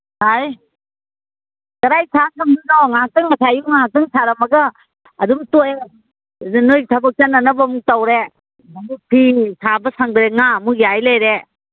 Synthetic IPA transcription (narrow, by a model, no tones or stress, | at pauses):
haj | kɐɾajsʰakʰɐmdinɔŋaak̚tɯŋːɐsʰajuŋŋaɦak̚tɯŋsʰaɾɐmɐɡɐː | dumtoe | nojtʰɐbɐk̚t͡ʃɐnɐnɐbɐmutawɾe | nɐmupʰisʰabɐsaŋdɾeŋamujajlajɾe